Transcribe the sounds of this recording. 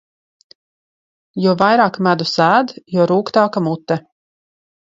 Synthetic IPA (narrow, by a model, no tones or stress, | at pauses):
jɔːvajɾaːkmæd̪usæːd̪jɔɔɾuːkt̪aːkamut̪ːɛ